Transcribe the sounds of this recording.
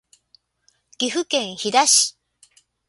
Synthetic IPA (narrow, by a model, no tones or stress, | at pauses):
ɡ̥ʲiɸɯ̟kẽ̞ɰ̃çid̪aɕi̥